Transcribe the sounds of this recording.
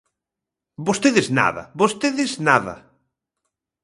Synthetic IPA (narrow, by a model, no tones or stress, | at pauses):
bost̪eðɪzna̰ðɐ̰bost̪eðɪznaðɐ̰